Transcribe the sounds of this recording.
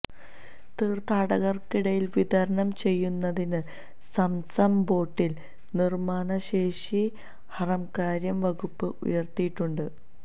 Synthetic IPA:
t̪iːrt̪aːɽɐɣɐrkiɽɐjilʋid̪ɐɾɐɳɐmt͡ɕe̞jːunːɐðinɨ | sɐmsɐmbo̞ːʈːil | nirmaːɳɐɕe̞ːʂi | hɐrɐmkaːɾjɐmʋɐɣupːɨʔṵjɐrt̪ijʈːuɳɖɨ

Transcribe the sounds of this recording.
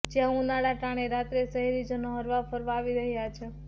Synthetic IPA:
d͡ʒjãɦũnaɽaʈaɽ̃eɾat̪ɾesəɦiɾid͡ʒənoɦəɾʋafəɾʋaːʋiɾəɦjat͡ʃʰe

